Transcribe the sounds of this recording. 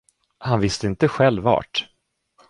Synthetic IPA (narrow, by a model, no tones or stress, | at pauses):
hanvɪst̪əɪnt̪əɧɛlːvːɑ̰ːʈ